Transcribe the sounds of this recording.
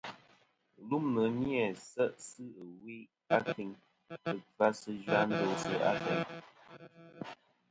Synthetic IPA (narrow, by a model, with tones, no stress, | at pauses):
lu˦mnə˨˦njɛ˨sɛ˦ʔsɨ˦˨wi˦ | a˦ti˨ŋ | ə˨va˦sə˦d͡ʒɥa˦n̩˦do˨˦sə˦a˦tɛ˨ŋ